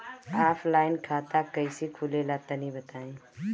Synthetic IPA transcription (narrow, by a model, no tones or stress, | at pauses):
aːpʰlaːɪnkʰaːt̪akɐisekʰulelaːt̪anɦĩbɐt̪aːẽː